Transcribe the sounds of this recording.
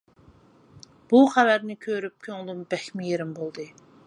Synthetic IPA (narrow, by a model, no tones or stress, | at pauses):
b̥uχævæɾnɪkʲʰøɾyp̚kʲʰøŋlˠumbɛxmɪjeɾɪmbolˠd̪ɨ